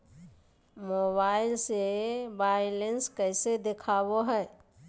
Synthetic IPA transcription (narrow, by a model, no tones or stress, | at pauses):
moːbaːɪlsebaːɪlenskɛːsed̪ɪkʰaːwoɦɛː